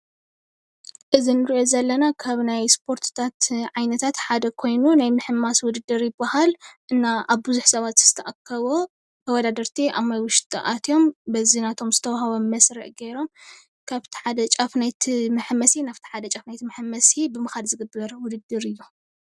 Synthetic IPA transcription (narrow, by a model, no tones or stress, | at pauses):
ʔɨzinɨɾiʔo̞zɐlːɐnakʰaβnajspʰo̞ɾt̪ʰt̪ʰat̪ʕajnɐt̪ʰat̪ħad̪ɐkʰo̞jnunajmɨħɨmːaswʊd̪ɨd̪ːɨɾjɪbːahalʔɨnːaaβbɨzuħsɐβat̪z̥ɨ̥t̪ʰɐʔakʰːɐβo | t̪ʰɐwɔd̪ad̪ɐɾt̪ʰiʔamajwʊʃt̪ʼʰʔa̰t̪ʰjo̞mbɐzinat̪ʰo̞mzɨt̪ʰɐwaɦaβomɐsɾɐ̰ʔɡeɾo̞m | kʰaβt̪ʰi̥ħad̪ɐt͡ʃʼafnajt̪ʰimɨħmɐsinaβt̪ʰi̥ħad̪ɐt͡ʃʼɐfnajt̪ʰimɨħmːɐsibɨmɨxalzɨɡɨbːɐɾwʊd̪ɨd̪ːɨɾɨjːu